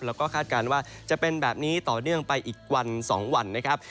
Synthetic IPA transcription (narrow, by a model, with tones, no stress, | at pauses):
lɛː˦˥wkɔː˥˩kʰaː˥˩t̪̚kaː˧nwaː˥˩t͡ɕa˨˩pe˧nbɛː˨˩p̚niː˦˥t̪ɔː˨˩nɯ˥˩əŋpa˧jʔiː˨˩k̚wa˧nsɔː˩˦ŋwa˧nːa˦˥kʰɾa˦˥p̚